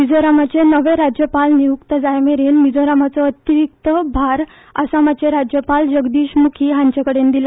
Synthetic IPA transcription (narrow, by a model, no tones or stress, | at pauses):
mid͡zoɾamat͡ɕenəʋeɾad͡ʑjəpalnijukt̪əd͡zajmeɾenmid͡zoɾamat͡sɔət̪jɾik̚t̪əbʱaɾ | ə̰samat͡ɕeɾad͡ʑjəpald͡ʑəɡd̪iːɕmukʰiːɦãɲt͡ɕakəɽend̪ila